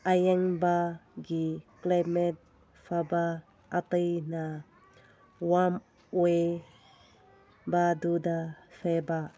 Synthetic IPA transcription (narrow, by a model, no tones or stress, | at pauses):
ʔajɛŋbaɡiklamɛt̚ | faba | ʔːt̪ejna | wam | we | badudafʰɛba